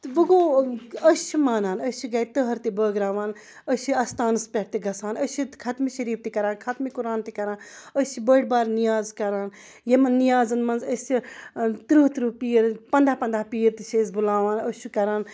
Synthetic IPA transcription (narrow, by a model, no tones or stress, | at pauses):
t̪ʋɨɡoːəʃʰimaːnaːnəʃʰiɡaːit̪əɦɐɾt̪ibəːɡɾaːʋaːn | əʃiɐst̪aːnɨspʲeʈt̪iɡɐsaːnəʃikʰɐt̪miʃɐɾiːf̚ʰt̪ikɐɾaːnkʰɐt̪mikuɾaːnt̪ikɐɾaːnəʃʰibəːɽbaːɾnijaːzkɐɾaːn | jemɐnːijaːzɐnmɐnzəsit̪ɾuɦt̪ɾupiːɾpɐnd̪aːpɐnd̪aːpiːɾt̪iʃeːzbulaːʋaːnəʃukɐɾaːn